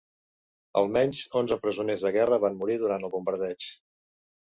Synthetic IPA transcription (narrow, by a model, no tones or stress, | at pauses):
ə̰lˠmɛɲʲzonzəpɾəzunezðəɣɛrəβanmuɾiðuɾant̪əlˠβumbəɾðɛt͡ʃ